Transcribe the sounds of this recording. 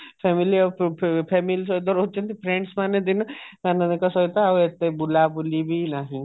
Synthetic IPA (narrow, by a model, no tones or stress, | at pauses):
pʰemiliɔpʰemilis̬ɔid̪ɔɾɦot̪̚ːt͡ʃʰɔnt̪ipʰɾeɳɖsmaned̪inɔkaneekɔsɔit̪aaet̪ebulabulibʱinaɦĩ